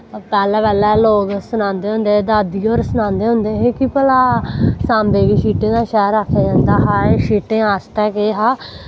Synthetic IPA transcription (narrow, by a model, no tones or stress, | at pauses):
pɛːlɛːpɛːlɛːloːɡsʊnãːnd̪eːɦʊ̃nd̪eːd̪aːd̪ioːɾsʊnãːnd̪eːɦʊ̃nd̪eːɦeːkipəlaːsãːmbeːɡiːʃiːʈẽːd̪aːʃɛːɾaːkʰːeːd͡ʒãːnd̪aːɦaːeʃiːʈẽːaːsʈɛːkeːɦaː